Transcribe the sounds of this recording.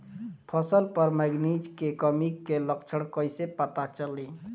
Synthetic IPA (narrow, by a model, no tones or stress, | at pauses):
pʰəsəlpəɾməɡnid͡ʒkekəmikːeləkt͡ʃʰəɽ̃kəjsepət̪at͡ʃəli